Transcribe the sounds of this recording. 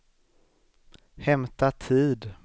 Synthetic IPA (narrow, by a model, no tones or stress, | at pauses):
hɛmt̪at̪ʰiːd̪